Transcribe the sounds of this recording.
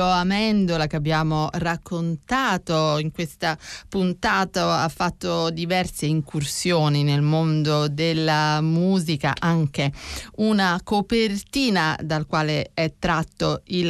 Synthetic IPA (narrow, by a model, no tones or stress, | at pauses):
oamɛnd̪olakeabːjaːmorakʰːont̪aːt̪oiŋkwest̪apunt̪aːt̪oafːat̪ːod̪ivɛrseiŋkʰursjoːninelmond̪od̪elːamuːzika̰ʔaŋk̟eunakopert̪iːnad̪alkwaːleɛt̪ːɾat̪ːoil